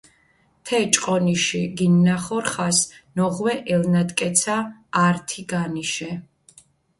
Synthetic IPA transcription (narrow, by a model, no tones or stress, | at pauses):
t̪ʰɛt͡ʃʼqʼɔniʃiɡinːaχɔɾχasnɔʁwɛʔɛlnad̪kʼɛt̪sʰaːɾt̪ʰiɡaniʃɛ